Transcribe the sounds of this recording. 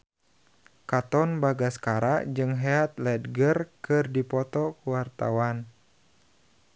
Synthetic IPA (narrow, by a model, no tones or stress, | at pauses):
kat̪ɔnbaɡaskaɾaʔd͡ʒɨŋɦeat̪lɛdɡərkɨrdipɔt̪ɔkuwart̪a̰wan